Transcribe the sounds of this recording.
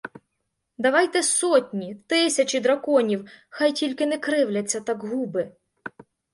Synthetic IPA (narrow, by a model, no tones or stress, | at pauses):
d̪ɐʋɑjt̪ɛsɔtʲnʲit̪ɪsʲɐt͡ʃid̪ɾɐkɔnʲiwxɑjtʲilʲkɪnɛkɾɪwlʲɐt͡sʲːɐt̪ɑkɦubɪ